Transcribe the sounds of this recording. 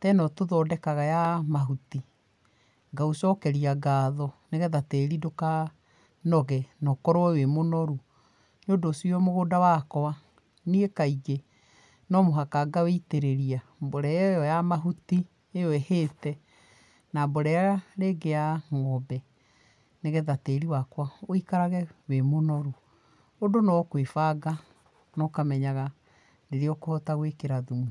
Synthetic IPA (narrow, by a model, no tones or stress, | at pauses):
tɛnɔtoðɔdɛkaɣajamaɦuti | ɡausɔkɛɾiaɡaːðɔneɣɛðateɾidoka | nɔɣɛnɔkɔɾoɛwemonɔɾu | nodosiɔmoɣoːdawakɔwa | niekaiɡe | nɔmoɦakaɡaweiteɾeɾiamboɾɛɛjɔjamaɦuti | ejɔɛheːtɛ | namboɾɛjaaɾeɡeaŋɔbɛ | neɣɛðateːɾiwakwaoikaɾaɣɛwemonɔɾu | odonawɔkwefaɡa | nɔkamɛɲaɣa | ndeɾeɔkohɔtaɣwekeɾaðumu